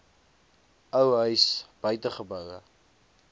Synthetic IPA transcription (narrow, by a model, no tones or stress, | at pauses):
əwɦœɥsb̥œɥtəχəbəwə̰